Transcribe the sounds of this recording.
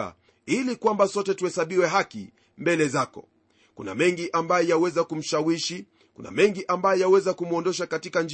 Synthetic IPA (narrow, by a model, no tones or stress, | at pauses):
a̰ | ilikwambasɔtɛtuhɛsaɓiwɛɦakḭ | mbɛlɛzakɔ̰ | kuna̰mɛŋɡiʔambajɔjawɛzakum̩ʃawiʃi | kuna̰mɛŋɡiʔambajɔjawɛzakumuɔndɔʃakatikand͡ʒ